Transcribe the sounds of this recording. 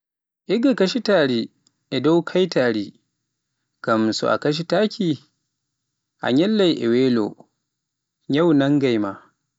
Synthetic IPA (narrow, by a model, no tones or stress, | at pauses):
ʔɪɡakɐʃitaːɽeː | ʔedawkʰajtaːɽiː | ɡ̥ɐmsṵʔa̰kɐʃ̬itaːkʲʰiː | ʔa̰ɲɛlːajʔɛ̰weːlo̰ | ɲawnɐŋɡajmaː